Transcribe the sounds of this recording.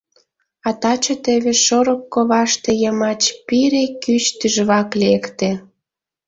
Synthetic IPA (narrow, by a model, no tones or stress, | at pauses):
ɑt̪ɑt͡ɕət̪eβeʃoɾokːoβɑʃt̪ejəmɑt͡ɕpiɾekyt͡ɕt̪yʒβɑklekt̪ĕ